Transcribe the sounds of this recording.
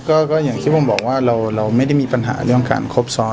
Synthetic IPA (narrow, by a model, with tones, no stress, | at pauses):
kɔː˥˩kɔː˥˩jaː˨˩ŋt̪ʰiː˥˩pʰo˧mbɔ̰ː˨˩k̚waː˥˩ɾa˧wɾa˧wma˥˩jda˥˩jmiː˧pa˧nɦa̰ː˩˦ɾɯ˥˩əŋka̰ː˧nkʰo˦˥p̚sɔː˦˥